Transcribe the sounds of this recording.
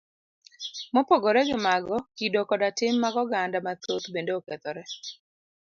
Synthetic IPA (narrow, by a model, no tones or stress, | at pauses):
mɔpoɡoɾɛɡɪmaɡɔkidokɔdatɪmːaɡɔɡandamat̪ot̪bendeokɛt̪ɔɾɛ